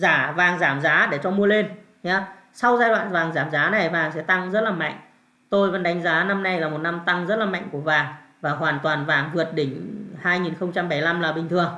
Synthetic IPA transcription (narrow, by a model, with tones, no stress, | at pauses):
zaː˧˩vaː˨˩ŋzaː˧˩mzaː˨˦ɗe˧˩t͡ɕɔ˧mu˧əle˧n | ɲa˨˧˦ | sa˧wzaː˧jɗwa̰ː˧˨vaː˨˩ŋzaː˧˩mzaː˨˦na˨˩jvaː˨˩ŋsɛ̰˧˥t̪a˧ŋzə˦˥t̚laː˨˩ma̰˧˨jŋ̟ | t̪o˧jvə̰˧˥nɗa˨˦jŋ̟zaː˨˦na˧mna˧jlaː˨˩mo˨˩t̚na˧mt̪a˧ŋzə˦˥t̚laː˨˩ma̰˧˨jŋ̟ku˧˩əvaː˨˩ŋvaː˨˩hwaː˨˩nt̪waː˨˩nvaː˨˩ŋvɨ˨˩ət̚ɗï˧˩ŋ̟haː˧jŋi˨˩nxə˧wŋ͡mt͡ɕa˧mɓa˧˩jla˧mlaː˨˩ɓï˨˩ŋt̪ʰɨ˨˩əŋ